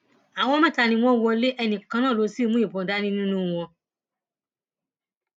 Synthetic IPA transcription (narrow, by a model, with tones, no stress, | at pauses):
a˨wɔ̃˧˦mɛ̃˦˨ta˧˨nĩ˧w̃ɔ̃˦wɔ˧le˦ʔɛ˧nĩ˨kã˧nãː˦˨lo˨˧si˦˧mũ˦i˨bɔ̃˨˦da˦nĩ˦nĩ˦nũ˦˧w̃ɔ̃˧